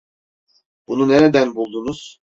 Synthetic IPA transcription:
b̥ununeɾed̪ænbulˠd̪unuz̥

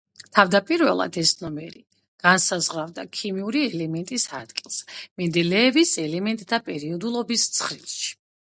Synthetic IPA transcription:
t̪ʰavd̪apʼiɾvɛ̰lˠa̰d̪ɛsnɔmɛɾi | ɡ̥ansazʁavd̪akʰimiuɾiɛlɛmɛnt̪ʼisad̪ɡilˠsmind̪ɛlɛːvisɛlɛmɛnt̪ʼd̪ʰapʼɛɾiɔd̪ulˠɔbist̪sʰχɾḭlˠʃi̥

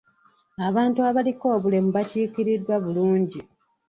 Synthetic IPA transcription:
aβaːntuaβaliko̞ːβule̞muβaciːkiɾidːwaβuluːɲɟi

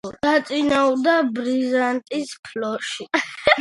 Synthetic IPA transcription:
d̥at̪sʼinaud̪abɾizant̪ʼispʰlɔʃi

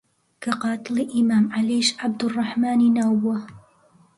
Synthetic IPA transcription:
kaqɑːt̪ˤɨliʔɪmaːmʕaliʃʕab̚d̪rˤːɑħmaːninawːa

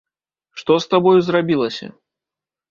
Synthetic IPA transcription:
ʂt̪ɔst̪abɔjuzɾabʲilˠɐsʲɐ̰

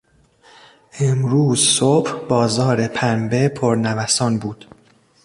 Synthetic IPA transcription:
ʔemɾuːzsob̥hbɒːzɒːɾe̞pʰænbepʰoɾnævæsɒːnbuːd̪̥

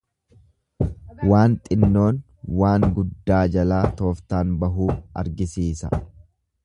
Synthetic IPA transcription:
waːnt̪ʼɪnːo̞ːn | waːŋɡʊd̪ːaːd͡ʒɐlaːt̪o̞ːft̪aːnbɐɦuːɐ̰ɾɡɪsiːsɐ̰

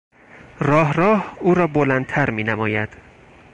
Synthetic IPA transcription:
rɒːɦrɒːhuːɾɒːbolænd̪t̪ʰæɾmiːnæmɒːjæd̪̥

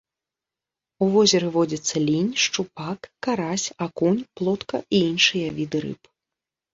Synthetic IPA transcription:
uvɔzʲɛɾɨvɔd͡zʲɐt̪sːɐlʲinʲʂt͡ʂupakːaɾasʲakunʲplˠɔt̪kɐiinʂɨjɐvʲid̪ɨɾɨ̰p

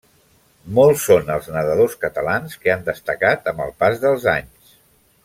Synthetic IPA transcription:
mɔlˠsːonəlˠznəðəðoskət̪əlanskeand̪əst̪əkat̪əmbə̰lˠpazðəlˠzaɲs

